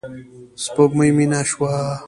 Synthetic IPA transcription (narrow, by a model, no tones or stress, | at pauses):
spokmujminaɕwa